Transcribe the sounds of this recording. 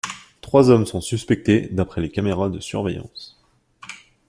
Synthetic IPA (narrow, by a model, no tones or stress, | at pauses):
t̪χwazɔmsɔ̃syspɛk̚t̪ed̪apχɛlekameʁad̪əsy̰ʁvejɑ̰̃s